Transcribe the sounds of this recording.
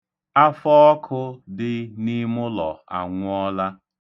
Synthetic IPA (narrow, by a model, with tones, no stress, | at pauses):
a˦fɔ˦ɔ˦kʰʊ˦dɪ˦ni˦mʊ˦lɔ̰˨a̰˨ŋʷʊ˦ɔ˦la˦